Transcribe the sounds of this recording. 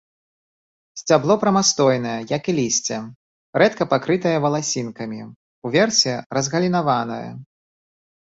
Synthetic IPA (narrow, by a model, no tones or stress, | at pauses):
sʲt͡sʲablˠɔpɾɐmast̪ɔjnɐjɛjɐkilʲisʲt͡sʲɛ | ɾɛt̪kɐpakɾɨt̪ɐjɐvɐlˠasʲinkɐmʲi | uvʲɛrsʲɛɾɐzɣɐlʲinavanɐ̰jɛ̰